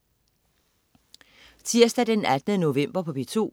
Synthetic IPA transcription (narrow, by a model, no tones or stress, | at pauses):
t͡sʰiɐsd̥æd̥enæd̥nəno̝ʋem̰b̥ɐpʰɒ̽b̥et͡sʰo̝̰ː